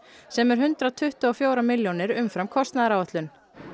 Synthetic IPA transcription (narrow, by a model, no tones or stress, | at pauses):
sɛmɛɾ̥ɦʏnt̪ɾat̪ʰʏht̪ʏɔfjoːwɾamɪljonɪɾʏmfɾamkʰɔst̪naðaɾaːwɛt̪lʏn